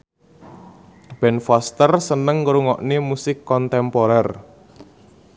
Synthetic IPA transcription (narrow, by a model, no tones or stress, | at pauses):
b̥ɛnfast̪ərsənəŋːɾuŋɔʔnemusɪkːɔnt̪ɛmpɔɾɛr